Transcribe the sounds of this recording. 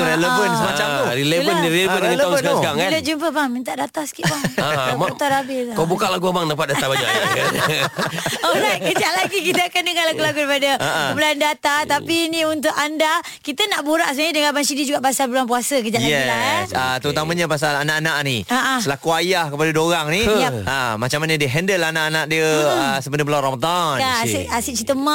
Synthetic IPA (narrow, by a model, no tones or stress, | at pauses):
ɾeləvənsəmat͡ʃat̪uɾilebəndiɾeləvəndəəaskakaŋkanlət̚d͡ʒumpəbaŋmint̪aʔdat̪aŋsə̥kiʔbaaat̪aɾabɪt̪kabukaʔlaɡuabaŋdapat̪̚daabaɲa̰ʔ | olakəd͡ʒaʔlaɡikit̪əakandəŋalakulaɡuɾipadəkəbulandat̪at̪apiniunt̪̬ʊkanda | kit̪ənaʔbuɾaʔsəmaɲədəŋalbansidid͡ʒuɡaʔpasalbəluanpuasəkəd͡ʒaʔaɛlasət̪əɾut̪amə̃ɲapas̬alanaʔanaʔniaʔasəlakuajahkəpadadoɾaŋnijaamat͡ʃamanədiəɦɛndəlanaʔanaʔdiəəsəbənəpəlawɾamad̪anasiʔasit͡ʃit̪əmã